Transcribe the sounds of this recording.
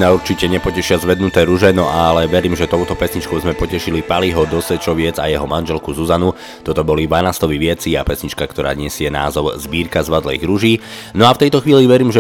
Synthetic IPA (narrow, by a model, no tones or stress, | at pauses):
nauɾt͡ʃicɛɲɛpɔcɛʃɪazʋɛd̪nut̪ɛːɾuʒɛnɔʔalɛʋɛɾiːmʒɛt̪ɔʊt̪ɔpɛsɲit͡ʃkɔʊzmɛpɔcɛʃilipaliɦɔd̪ɔsʋɛt͡ʃɔʋɪɛd͡zajɛɦɔmanʒɛlkuzuzanu | t̪ɔt̪ɔbɔlid̪ʋanast̪ɔʋiʋɪɛt͡siapɛsɲit͡ʃkakt̪ɔɾa̰ːɲɪɛsɪɛna̰ːzɔʊzbiːɾkazʋad̪lɛjɣɾuʒiːnɔaft̪ɛjt̪ɔxʋiːliʋɛɾiːmʒɛ